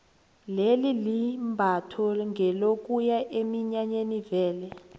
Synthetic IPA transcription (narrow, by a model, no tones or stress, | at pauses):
lelilimbʱatʰɔŋɡʱɛlokʼujaʔemiɲaɲenivɛːlɛ